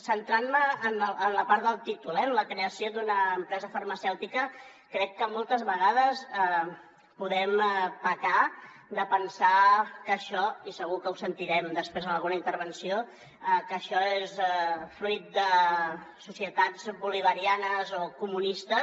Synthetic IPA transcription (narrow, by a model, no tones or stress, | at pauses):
sənt̪ɾanməːnlənləpaɾt̪d̪əlˠt̪it̪ulɛmləkɾeəsijod̪unəːmpɾɛzəfərməsɛwt̪ikə | kɾɛkːəmɔlˠt̪əzβəɣaðəz | puðɛmpəka | d̪əpənsakəʃɔisəɣ̞ukəusənt̪iɾɛmd̪əspɾezðəlˠɣunəint̪əɾβ̞ənsijo | ɛkəʃɔesɛfɾuit̪̚d̪ə | susiət̪ad͡zβuliβ̞əɾianəzokumunist̪ə